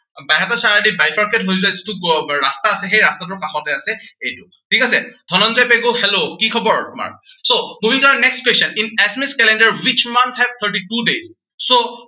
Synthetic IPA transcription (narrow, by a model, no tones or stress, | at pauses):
bajɦatasaɦadibajfʰaɹkɛtɦojzuajzitukɹastaːsɛxejɹastat̬ʊɹkaxɔtɛasɛejtʊ | tʰikas̬ɛdʱɔnɔnzɔjpɛɡohɛlokikʰɔbɔɹtʊma̰ɹsomubʱiŋtɔanɛkstkwɛsɔninɛsmiskɛlɛndaɹwit͡ʃmant̪ʰhɛvt̪ʰəɹʈ̬itudezː | o